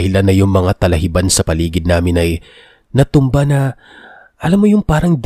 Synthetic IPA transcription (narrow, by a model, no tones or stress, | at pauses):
hɪlanːɐjʊŋmɐŋat̪ɐlɐhɪbansɐpɐliːɡɪd̪̚naːmɪnɐj | nɐt̪ʊmbanɐ | ʔɐlamːojʊŋpaːɾɐŋd̪